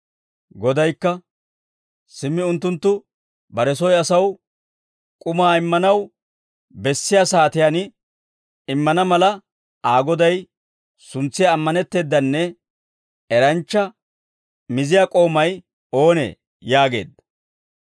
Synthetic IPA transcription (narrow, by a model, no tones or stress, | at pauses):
ɡɔd̪ɐjkːɐ | sɪmːɪʊnt̪ːʊnt̪ːʊ | bɐɾɛsɔjɐsɐw | kʼʊmaːɪmːɐnɐw | bɛsːɪjaːsaːt̪ɪjanɪ | ɪmːɐnɐmɐlɐ | aːɡɔd̪ɐj | sʊnt͡sːɪjaːmːɐnɛt̪ːe̞ːd̪ːɐnːɛ | ɛɾɐnt͡ʃːɐ | mɪzɪjaːkʼo̞ːmɐj | o̞ːnḛː | jaːɡe̞̰ːd̪ɐ